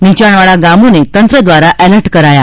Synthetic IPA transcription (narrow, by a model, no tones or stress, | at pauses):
nit͡ɕaɳʋaɭaɡamunet̪ənt̪ɾəd̪ʋaɾaʔɛləɾʈkəɾaja